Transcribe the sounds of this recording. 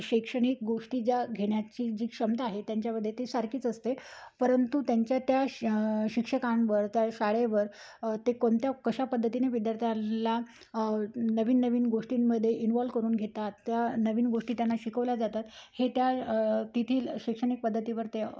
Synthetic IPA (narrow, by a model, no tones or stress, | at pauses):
ɕekʂəɽ̃ik̚ɡoʂʈiːd͡ʑjaɡʱeɳjat͡ɕiːd͡ʑiːkʂəmt̪aaɦet̪jaɲt͡ɕjaməd̪ʱːjet̪esaɾkiːt͡səst̪epəɾənt̪ut̪jaɲt͡ɕjat̪jaɕikʂəkãnʋəɾt̪jaɕaɭeʋəɾ | t̪ekoɳt̪jakəɕapəd̪ʱːət̪ineʋid̪jaɾt̪ʰjala | nəʋiːnːəʋiːnɡoʂʈimːəd̪ʱːjeʔinʋɔlʋkəɾuːnɡʱet̪at̪ːjanəʋiːnɡoʂʈiːt̪janːaɕikəʋlad͡zat̪at̪het̪jat̪it̪ʰiːlɕekʂəɽ̃ik̚pəd̪ʱːət̪iʋəɾt̪e